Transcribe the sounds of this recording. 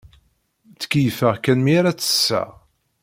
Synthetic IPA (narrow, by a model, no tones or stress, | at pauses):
t͡sːə̥kijfəʁkænmiaɾat͡sːə̥sːæ̰